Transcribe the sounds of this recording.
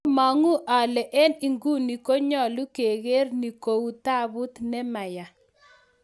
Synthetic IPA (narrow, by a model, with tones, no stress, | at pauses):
ma˨ŋu˦ʔa˨lɛ˨ʔɛ˦ni˨ŋɡu˦ni˨ko˦ɲɔ˦˨lu˦ke˨ɣe˦ɾni˨ko˨u˦t̪a˦bu˦t̪nɛ˦ma˨ja˨